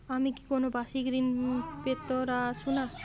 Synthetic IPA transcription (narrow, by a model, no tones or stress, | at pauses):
amiki̥konobaʃiɡɾinpet̪oɾaʃuna